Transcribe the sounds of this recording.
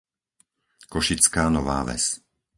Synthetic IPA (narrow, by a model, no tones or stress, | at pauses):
kɔʃit͡skaːnɔʋa̰ːʋɛ̰s